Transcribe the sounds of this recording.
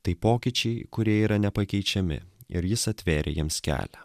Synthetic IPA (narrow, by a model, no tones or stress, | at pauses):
t̪ɐɪpoːkʲɪt͡ʃʲɛɪkʊɾʲiɛiːɾɐnʲɛpɐkʲɛɪt͡ʃʲɛmʲɪ̰ɪ̰ɾjɪsɐt̪ʲʋʲeːɾʲḛjiɛmskʲæ̰ːlʲɛ